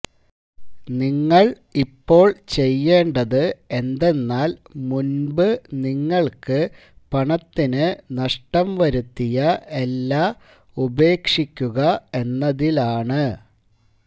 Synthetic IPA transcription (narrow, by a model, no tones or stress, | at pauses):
niŋːɐɭ | ipːo̞ːɭt͡ɕe̞jːe̞ːɳɖɐðɨe̞nd̪e̞nːaːlmunbɨniŋːɐɭkɨ | pɐɳɐt̪ːinɨnɐʂʈɐmʋɐɾut̪ːijɐe̞lːaː | ube̞ːkʂikʲːuɣɐe̞nːɐðilaːɳɨ